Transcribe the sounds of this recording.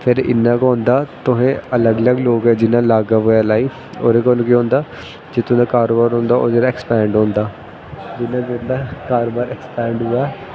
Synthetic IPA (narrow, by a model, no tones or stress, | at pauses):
pʰɪɾɪ̰nːãːkõːnd̪aːt̪ʊɦẽːələɡələɡloːɡɛd͡ʒɪnãːlaːɡaːɦʊːaːlaːiː | o̰ːɾeːkoːnkiõːnd̪aː | d͡ʒeːt̪ʊ̃ːd̪aːkaːɾoːbaːɾɦõːnd̪aːʔo̰ːd͡ʒeːɽaːɛːkspɛ̃ːɳɖɦõːnd̪aː | d͡ʒɪnːãːd͡ʒed̪aːkaːɾoːbaːɾɛːkspɛ̃ːɳɖɦoːaː